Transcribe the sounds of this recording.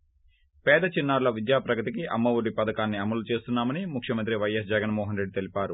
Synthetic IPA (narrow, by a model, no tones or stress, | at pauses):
pɛːd̪ɐt͡ʃinːaːɾlɐʋid̪jaːpɾɐɡɐt̪ikiʔɐmːɐʋuɽipɐd̪ɐkaːnːiɐmɐlut͡ʃe̞ːst̪unːaːmɐnimukʰʂjɐmɐnt̪ɾiʋɐjːɐs̬d͡ʒɐɡɐnmɔːɦɐnɾe̞ɖːit̪e̞lipaːɾu